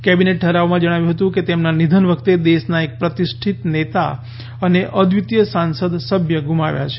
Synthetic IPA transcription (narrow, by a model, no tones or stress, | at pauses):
kɛbineʈ̚ʈʰəɾaʋomãd͡ʒəɽ̃aʋjũɦət̪ũket̪emnanid̪ʱənʋəkʰt̪ed̪eʃnaek̚pɾət̪iʃʈʰit̪net̪a̰ | əneʔəd̪ʱʋit̪jəsansəd̪səbʱjəɡʱumaʋja̰t͡ʃʰe̥